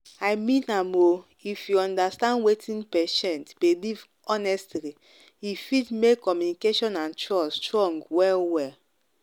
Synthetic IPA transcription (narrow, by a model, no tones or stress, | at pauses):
amĩnamo | ifjuɔ̃ndastãndwetʰĩnpɛʃɛ̃ntbeliv | ɔnɛstli | ifidmekʰːɔmjunikeʃɔ̃nãnt͡ʃɹɔstɹɔ̃ŋɡwɛlwɛl